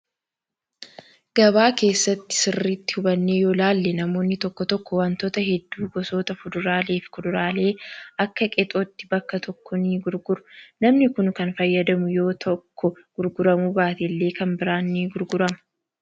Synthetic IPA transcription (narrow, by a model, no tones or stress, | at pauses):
ɡ̥ɐbaːke̞ːsːɐt̪ːɪ̥sɪrːit̪ːɪ̥hʊbɐnːe̞ːjoːlaːlːɛnɐmo̞ːnːɪt̪ɔkːɔt̪ɔkːɔwɐnt̪oːt̪ɐɦɛd̪ːuːɡɔso̞ːt̪ɐfʊd̪ʊɾaːle̞ːfɪ̥kʊd̪ʊɾaːle̞ːɐkːɐkʼɛt̪ʼoːt̪ːɪbɐkːɐt̪ʰɔkʰːɔniɡʊɾɡʊɾʊ̥nɐmnɪkʊnkɐnfɐjːɐd̪ɐmʊjo̞ːt̪ʰɔkːɔ | ɡ̥ʊɾɡʊɾɐmubaːt̪ɛlːeːkɐmbɪɾaːnːiːɡʊɾɡʊɾɐmɐ̥